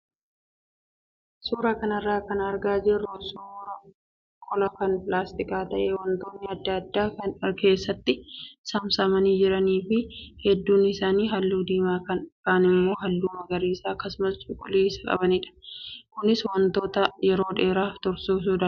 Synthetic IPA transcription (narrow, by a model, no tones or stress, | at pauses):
suːɾɐkɐnɐrːaːkɐnɐɾɡaːd͡ʒɪrːʊsoɾɐ | kʼɔlɐkɐnpʼlaːst̪ɪkaːt̪ɐʔeːwɐnt̪o̞ːnːɪɐd̪ːɐɐd̪ːaːke̞ːsːɐt̪ːɪsɐmsɐmɐniːd͡ʒɪɾɐniːfɪhɛd̪ːuːnɪsaːniːɦɐlːuːd̪iːmaːkɐnkaːnɪmːo̞ːɦɐlːuːmɐɡɐɾiːsaːkɐsʊmɐst͡ʃʼʊkʼʊleːsɐkʼɐ̰bɐnɪᶑɐ̥kʊnɪswɐnt̪o̞ːt̪ɐjɛɾo̞ːᶑeːɾaːft̪ɔɾsuːs̬uːd̪ɐ